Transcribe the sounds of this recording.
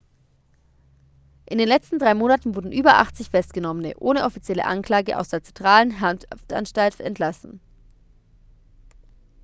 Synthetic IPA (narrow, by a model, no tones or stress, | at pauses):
ʔɪndeːnlɛt͡stn̩dʁaɪmoːnatn̩vʊɐdn̩ʔyːbɐʔa̰χt͡sɪçfɛstɡ̥ənɔmənə̰ʔoːnəʔɔfit͡sjɛlə̰ʔa̰nkl̥aːɡəʔa̰ʊsd̥eːɐt͡sɛntʁ̥aːlən̩ɦantʰftʔa̰nʃtaltɛ̰ntʰlasn̩